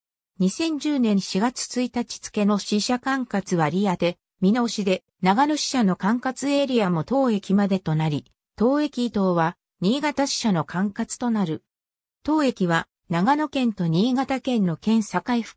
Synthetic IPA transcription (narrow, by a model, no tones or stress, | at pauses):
ɲ̟isẽ̞ɲ̟d͡ʑɨːnẽ̞ɰ̃ɕiɡat͡sɨ̥t͡sɨit̪at͡ɕi̥t͡sɨ̥ke̞no̞ɕiɕakãŋkat͡sɨβaɾʲiat̪e̞ | mʲinooɕid̪e̞ | naɡano̞ɕi̥ɕano̞kãŋkat͡sɨe̞ɾʲiamo̞t̪o̞ːe̞kʲimad̪e̞t̪o̞naɾʲi | t̪o̞ːe̞kʲiːt̪o̞ːβa | ɲ̟iːɡat̪aɕi̥ɕano̞kãŋkat͡sɨ̥t̪o̞naɾɯ̟ | t̪o̞ːe̞kʲiβa | naɡano̞kẽ̞nt̪o̞ɲ̟iːɡat̪akẽ̞nːo̞kẽ̞ɰ̃sakaiɸɯ̥